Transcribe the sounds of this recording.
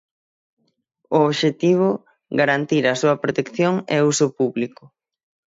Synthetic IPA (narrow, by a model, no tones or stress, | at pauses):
oːβʃet̪iβ̞ʊ | ɡaɾant̪iɾɐsuɐpɾot̪ekθjoŋɛusʊpuβlikʊ